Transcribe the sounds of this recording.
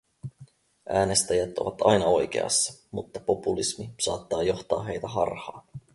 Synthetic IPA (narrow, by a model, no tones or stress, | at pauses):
ʔæːne̞st̪æjæt̪oʋɑt̪ɑjnɑo̞jk̟e̞̰ɑ̰sːɑ̥mut̪ːɑpo̞pulismisɑːt̪ːɑːjo̞xt̪ɑːɦe̞jt̪æɦɑ̰rhɑː